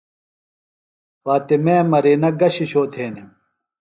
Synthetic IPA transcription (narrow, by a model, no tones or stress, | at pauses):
waːt̪emeːmɐɾiːnɐɡɐɕiɕoːt̪ʰeːnim